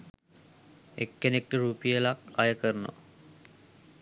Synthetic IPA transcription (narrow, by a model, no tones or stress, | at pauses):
ekːenek̚ʈiɾuːpijəlakajəkərno̰